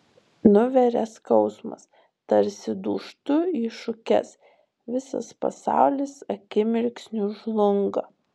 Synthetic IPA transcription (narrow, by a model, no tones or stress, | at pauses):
nʊʋʲɛɾʲɛskɐʊsmɐ̰s | t̪ɐɾʲsʲɪd̪uːʃt̪ʊiːʃʊkʲɛ̰s | ʋʲɪsɐ̰spɐ̰sɑ̰ˑʊlʲɪsɐkʲɪmʲɪɾʲksʲnʲʊʒlˠʊŋɡɐ